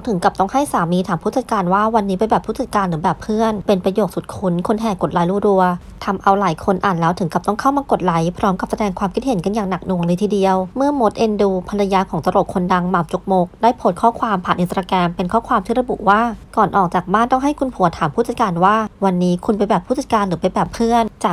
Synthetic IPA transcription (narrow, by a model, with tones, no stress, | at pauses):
wt̪ʰɯ˩˦ŋka˨˩p̚t̪ɔ˥˩ŋha˥˩jsaː˩˦miː˧t̪ʰaː˨˩˦mʰuː˥˩t͡ɕa˨˧˩t̪̚kaː˧nwaː˥˩wa˧nːiː˦˥pa˧jbɛː˨˩pʰːuː˥˩t͡ɕa˨˩kːaː˧nɾɯː˩˦bɛː˨˩pʰːɯ˥˩ənpe˧npɾa˧joː˨˩t̚su˨˩t̪̚kʰu˧˦˥nkʰo˧nɦɛː˨˩ko˨˩t̪̚la˨˦jɾuː˧˩ɾu˧ɐ | t̪ʰa˧mʔa˧wlaː˩˦jkʰo˧nʔaː˨˩nlɛː˦˥wt̪ʰɯ˨˩˦ŋka˨˩p̚t̪ɔ˥˩ŋkʰa˥˩wmaː˧ko˨˩t̪̚la˩˦jpʰɾɔː˦˥mka˨˩p̚sa˧dɛː˧ŋkʰwaː˧mkʰi˦˥t̪̚he˩˦nka˧njaː˨˩ŋna˨˩k̚nu˧˩əlɤː˧t̪ʰi˧˩di˧əwmɯ˥˩ɐmo˦˥t̪̚ʔe˧nduː˧pʰa˧nla˧jaː˧˥kʰɔː˨˩˦ŋt̪a˧ɾo˨˩kʰo˧nda˧ŋmaː˨˩wt͡ɕu˨˩k̚moː˨˦˥k̚daː˥˩jpʰo˦˥t̪̚kʰɔː˥˩kʰwaː˧mpʰaː˨˩nʔi˨˧˩t̪ɾaː˧kɛː˧mpe˧nkʰɔː˥˩kʰwaː˧mt̪ʰiː˥˩ɾa˧bu˨˩waː˥˩kɔː˨˩nʔɔː˨˩k̚t͡ɕaː˨˩k̚baː˥˩nt̪ɔ˥˩ŋɦa˥˩jkʰu˧npʰu˨˩˦ɐt̪ʰaː˩˦mpʰu˥˩t͡ɕa˨˩t̪̚kaː˧nwaː˥˩wa˧nːiː˦˥kʰu˧npa˧jbɛː˨˩pʰːuː˥˩t͡ɕa˨˩t̪̚kaː˧nɾɯː˩˦pa˧jbɛː˨˩pʰːɯ˥˩ənt͡ɕaː˨˩